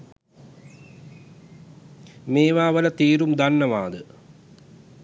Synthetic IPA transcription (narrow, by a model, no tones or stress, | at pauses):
meːʋaːʋɐlɐt̪iːɾumd̪ɐnːɐʋaːd̪ɨ